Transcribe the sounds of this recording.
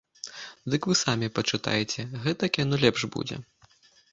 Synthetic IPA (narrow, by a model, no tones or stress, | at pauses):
d̪ɨkvɨsamʲipɐt͡ʂɨt̪a̰jɛt͡sʲɛɣɛt̪ɐkʲɛnulʲɛpʂbṵd͡zʲɛ̰